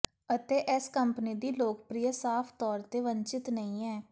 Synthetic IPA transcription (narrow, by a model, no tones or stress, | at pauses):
ət̪eːʔɛskəmpniːd̪iːloːkpɾijəsaːpʰt̪ɔːɾt̪eːʋəɲt͡ʃɪt̪nəĩːɛː